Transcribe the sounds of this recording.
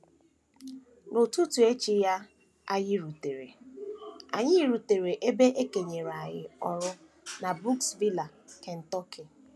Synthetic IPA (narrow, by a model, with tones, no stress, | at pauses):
nʊ˨tu˦tu˨e˦t͡ʃi˦ja˦ | a˦ɲɪ˦ɾu˨te˨ɾḛ˨ | a̰˨ɲɪ˦i˦˨ɾu˨te˨ɾe˨ʔe˦be˦ʔe˦ke˨ɲe˨ɾa˨ɣɪ̰˨ɔ˨ɾʊ˦ | na˨bu˦ksvi˦la˨ | ke˨n̩˨tɔ˦kʰɪ˨